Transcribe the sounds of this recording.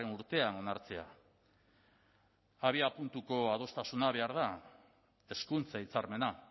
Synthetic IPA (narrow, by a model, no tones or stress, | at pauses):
enuɾt̪e̞ano̞naɾt͡se̞a̰ | aβiapunt̪uko̞að̞o̞st̪asunaβ̞e̞aɾð̞a | e̞skunt͡sait͡saɾme̞na